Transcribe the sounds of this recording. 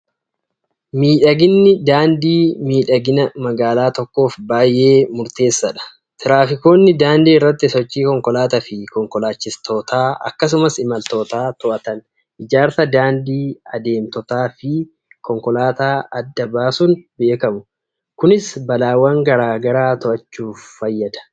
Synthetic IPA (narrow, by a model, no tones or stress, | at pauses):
miːᶑɐɡɪnːɪd̪aːnd̪iːmiːᶑɐɡɪnɐmɐɡaːlaːt̪ɔkːo̞ːfbaːjʔe̞ːmʊɾt̪e̞ːsːɐᶑɐ̥ | t̪ʰɪɾaːfɪko̞ːnːɪd̪aːnd̪iːɪrːɐt̪ːɪsɔt͡ʃːiːkɔŋkɔlaːt̪ɐfɪkɔŋkɔlaːt͡ʃːɪst̪ʰo̞ːt̪aːɐ̰kːɐs̬ʊmɐsɪmɐlt̪o̞ːt̪aːt̪ʊʔɐt̪ɐn | ʔɪd͡ʒaːɾsɐd̪aːnd̪iːɐd̪e̞ːmt̪ɔt̪aːfɪ | kɔŋkɔlaːt̪aːɐd̪ːɐbaːsʊnbe̞ːkɐmʊ | kʊnɪsbɐlaːwɐŋɡɐɾaːɡɐɾaːt̪ɔʔɐt͡ʃːuːfːɐjːɐd̪ɐ̥